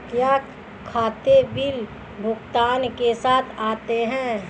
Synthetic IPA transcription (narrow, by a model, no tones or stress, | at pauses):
t̪jaːk | kʰːaːt̪ebil | bʱʊkt̪aːnkesaːt̪ʰaːt̪eɦɛ̃ː